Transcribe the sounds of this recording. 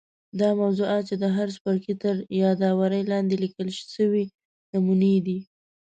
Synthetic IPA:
d̪ɑmawzuɑt̪̚t͡ʃed̪əɦaɾspəɾkit̪əɾjɑd̪ɑwaɾəjlɑnd̪elikəlʃʃəwi | namuned̪i

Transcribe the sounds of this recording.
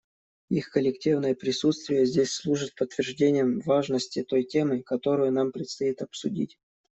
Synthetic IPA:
ixkəlʲɪktʲivnəjəpɾʲɪsut̪st̪vʲɪjəzʲdʲesʲslˠuʐɨt̪̚pət̪ːvʲɪrʐdʲenʲɪjəmvaʐnəsʲtʲɪt̪o̞jtʲe̞mɨkɐt̪o̞ɾʊjʊnampɾʲɪt̪st̪ɐit̪ɐpsʊdʲḭtʲ

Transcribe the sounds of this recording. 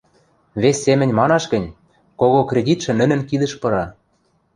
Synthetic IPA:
βesʲːemɘ̆nʲmɑnɑʃɣɘ̆nʲ | koɣokrʲedʲit̪ʃɘ̆nɘ̆nɘ̆nkid̪ə̆ʃpɤ̆ɾɑ

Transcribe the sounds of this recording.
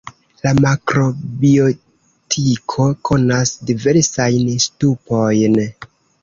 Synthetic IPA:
lamakɾo̞bio̞ | tʰikʰo̞kʰo̞nasdive̞ɾsajnstupo̞jn

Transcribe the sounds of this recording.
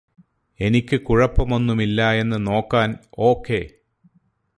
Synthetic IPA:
e̞nikʲːɨkuɻɐpːɐmo̞nːumilːɐe̞nːɨno̞ːkːaːno̞ːkːe̞ː

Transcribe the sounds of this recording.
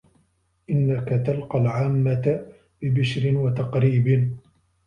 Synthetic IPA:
ʔɪnːakat̪alqɑlʕaːmːat̪ | bɪbɪʃɾɪnwat̪ɑqɾiːbɪn

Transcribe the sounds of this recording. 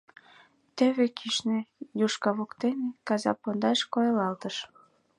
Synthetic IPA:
t̪ĕβekʰiʃnejuʃkɑβukt̪enĕkɑzɑ̰pond̪ɑʃkojlɑlt̪əʃ

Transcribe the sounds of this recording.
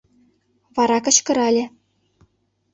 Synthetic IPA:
vɑɾɑkɤ̆ɕkɤ̆ɾɑlʲɘ̆

